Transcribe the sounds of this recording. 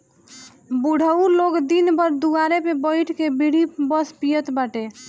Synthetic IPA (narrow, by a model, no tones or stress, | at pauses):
buɽ̤ʱəuloɡd̪inbəɾd̪uaɾepebəɪʈʰkebiɽibəspijət̪baʈe